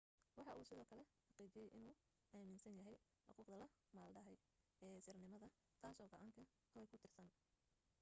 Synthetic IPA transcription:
wɑħɑʔuːsɪðɔːkʰɐlɛħɑqiːt͡ʃɪjɛjʔɪnuː | ʔaːmɪnsɐnjɐɦɛj | ħʊquːqd̪ɐlɐ | maːlɖɐɦɛj | ɛːsɪrnɪmɐðɐ | t̪ʰaːsɔːɡɔʕɑːŋkʰɐ | hʰɐwɛjkʰʊt̪ʰɪrsɐn

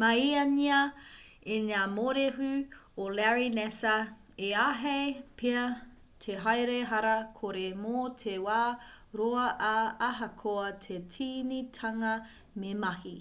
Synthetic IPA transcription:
mɐiɐniɐ | eɲaːmoɾeɦʉ | olɛɹinɛsɐ | eaɦejpʰeɐ | tʰeɦajɾeɦɐɾɐkʰoɾemotʰewaːɾoɐʔaɐɦɐkʰoɐtʰetʰiːnitʰɐŋɐ | memɐhi

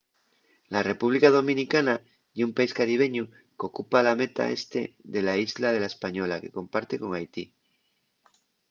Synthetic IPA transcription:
lare̞puβ̞likaðo̞mĩnikana | iumpaiskaɾiβ̞e̞ɲu | ko̞kupalame̞t̪a̰e̞st̪e̞̰ðe̞laizlaðe̞laespaɲo̞lake̞ko̞mpaɾt̪e̞ko̞ŋajt̪ḭ

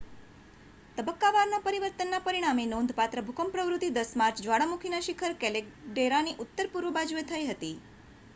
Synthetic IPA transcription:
t̪əbəkːaʋaɾnapəɾiʋəɾt̪ənːapəɾiɽ̃aminond̪ʱpat̪ɾəbʱukʰəmpɾəʋɾut̪id̪əsmaɾt͡ʃd͡ʒʋaɽamukʰinaʃikʰəɾkɛlekɖeɾaniʔut̪ːəɾpuɾʋəbad͡ʒuet̪ʰəjɦət̪i

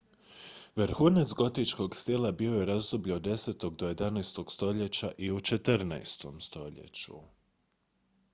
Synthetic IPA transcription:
ʋɾxuːnet̪sɡo̞t̪it͡ʃko̞ɡst̪ilabio̞jeɾazd̪obʎud̪e̞seːt̪o̞ɡd̪o̞je̞d̪anajst̪o̞ɡ̥st̪o̞ʎe̞t͡ɕaʔiut͡ʃe̞t̪ɾna̰jst̪o̞̰mst̪o̞ʎḛt͡ɕṵ

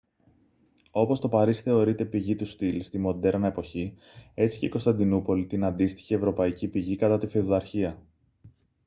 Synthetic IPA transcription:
o̞po̞st̪o̞pɐɾisθe̞o̞ɾit̪e̞piʝit̪ust̪ilst̪imo̞d̪e̞ɾɐnɐe̞po̞çi | e̞t͡si̥ceiko̞st̪ɐnd̪inupo̞lit̪inɐnd̪ist̪i̥çievɾo̞pɐicipiʝikɐt̪ɐt̪ifeoðɐɾçiɐ

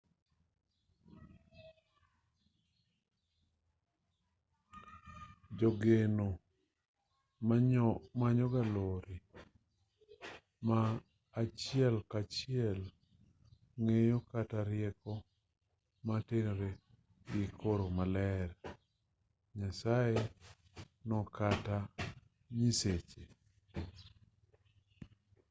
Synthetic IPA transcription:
d͡ʒoɡeno | mamaɲɔɡaloɾi | maː | t͡ʃjɪɛlkat͡ʃɪɛl | ŋejokataɾɪɛkɔ | matenɾe | ɡɪkʰoɾomalɛɾ | ɲasae | nɔkata | ɲiset͡ʃe

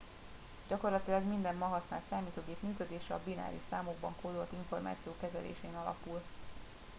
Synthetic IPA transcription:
ɟ̥ɒko̞rlɒt̪ilɒɡmind̪ɛmːɒɦɒsnaːlt̪saːmiːt̪oːɡeːpmyːkød̪eːʃɛɒbina̰ːɾḭʃsaːmoɡbɒŋkoːd̪olt̪iɱfo̞rma̰ːt̪sijoːkɛzɛ̰lḛːʃeːnɒlɒ̰pul

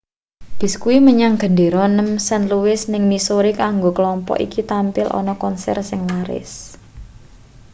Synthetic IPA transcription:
b̥ɪ̤skuiməɲaŋɡ̥ə̤ndeɾɔnəmsənluwɪsnɪŋmisoɾikaŋɡokəlɔmpɔ̰ʔḭkit̪ampɪlʔɔ̰nɔkɔnsɛ̰rsɪŋwaɾɪ̰s

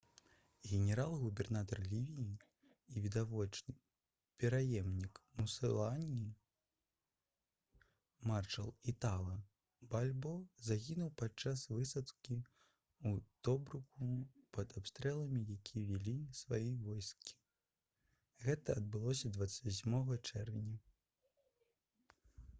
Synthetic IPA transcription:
ɣʲɛnʲɛɾalˠɣubʲɛrnat̪ɐrlʲivʲijiː | vʲid̪avɔt͡ʂnɨ | pʲɛɾajɛmnʲikmusɨlˠanʲi | marʂɐ̰lˠit̪alˠɐ | balʲbɔzaɣʲinuwpat͡ʂːasvɨsɐt̪kʲi | ut̪ɔbɾukupɐd̪apst̪ɾɛlˠɐmʲijakʲʰivʲilʲisvajivɔjskʲi̥ | ɣɛt̪ɐːd̪̚bɨlˠɔsʲɐd̪vat̪sə̥sʲmɔɣɐt͡ʂɛrvʲinʲɐ

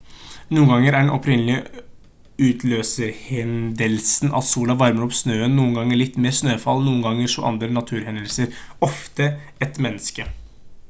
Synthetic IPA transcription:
nuːənɡɑŋːəɾæɖɛnʔɔpʰɾɪnlɪə | ʉːt̪ʰløːsəɾhɛnd̪əlsnʔɑ̰t̪suːlɑʋɑɾməɾɔpsnøːənnːuːənɡɑŋːəɭɪt̪ːmeːɾsnøːfɑlnuːnɡɑŋːəʂɔ̰ʔɑ̰nd̪ɾənɑt̪ʰʉːɾhɛnd̪əlsəɾɔft̪ə | ɛt̪mɛnːəskə

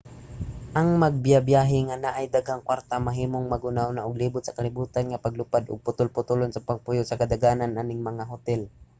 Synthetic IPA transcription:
ʔɐŋmɐɡ̚bjabjaːɦɪŋanaʔajd̪aɡhaŋkwaɾt̪amɐɦiːmoŋmɐɡʊnawnaʔʊɡliːbʊt̪sɐkɐlɪbuːt̪anŋapɐɡlʊpad̪ʔʊ̰ɡ̚pʊt̪ʊlpʊt̪ʊlonsapɐɡ̚pʊjʊsɐkad̪aɡaːnanʔaːnɪŋmɐŋaɦʊt̪ɛl

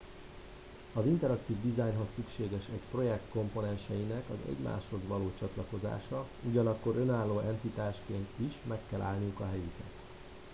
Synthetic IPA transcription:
ɒzint̪ɛɾɒkt̪iːvd̪izaːjɲɦo̞sːykʃeːɡɛʃɛcpro̞jɛk̚t̪ko̞mpo̞nɛnʃɛjinɛkɒzɛ̰ɟma̰ːʃho̞zʋɒloːt͡ʃɒt̪lɒko̞za̰ːʃɒ | uɟɒnɒkːo̞ɾø̞naːlːoːʔɛnt̪it̪aːʃkeːnt̪iʃmɛkːɛla̰ːlnijukɒɦɛjikɛt̪

